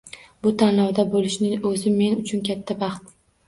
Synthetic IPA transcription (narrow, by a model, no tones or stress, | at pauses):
bʊt̪ʰanlɒwd̪abolɪʃnɪŋɵzɪmːe̞nʊt͡ʃʰʊnkʲat̪ʰːabɑχt̪